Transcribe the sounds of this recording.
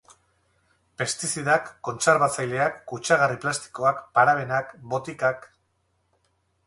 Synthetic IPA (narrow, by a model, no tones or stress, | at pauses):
pe̞st̪isiðakːo̞nt͡seɾβat͡sajle̞akːut͡ʃaɣariplast̪i̥ko̞akpaɾaβe̞nakbo̞t̪ikak